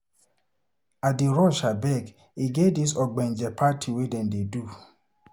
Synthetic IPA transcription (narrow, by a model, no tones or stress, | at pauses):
adiɾɔʃabɛɡ | iɡedis̬ɔɡ͡bɛnd͡ʒɛpʰatʰiwedɛndedu